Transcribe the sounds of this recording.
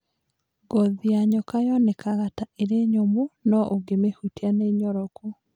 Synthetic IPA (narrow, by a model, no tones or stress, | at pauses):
ɡɔðiaɲɔkajɔnekaɣataʔeɾeɲomonɔʔoɡemehutianeɲɔɾɔkɔ